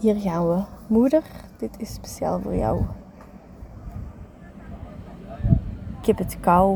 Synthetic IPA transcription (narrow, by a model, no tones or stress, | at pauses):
hiːrɣaːnwəmudərd̥ɪtʰɪsːpesja̰ːlˠvo̰ːrja̰w | ɪkɛpətkaw